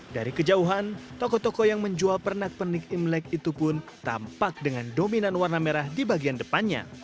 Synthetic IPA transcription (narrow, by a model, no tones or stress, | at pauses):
daɾikəd͡ʒauɦant̪ɔkɔt̪ɔkɔjaŋməɲd͡ʒualpərnak̚pənikimlɛkit̪upʊnt̪ampak̚dəŋandominanwarnameɾahdibaɡiandəpanɲa̰